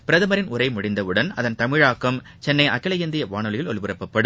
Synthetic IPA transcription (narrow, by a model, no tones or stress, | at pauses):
pɪɾɐðɯmɐɾɪnʊɾɐɪmʊɽɪnd̪ɐʋɯɽɐnɐðɐnt̪ɐmɪɻaːkːɐm | t͡ʃɛnːɐɪʔɐkːɪlɐjɐnd̪ɪjɐʋaːɳɯɭɪjɪlɔɭʋɯrɐpːɐpːɐɽɯm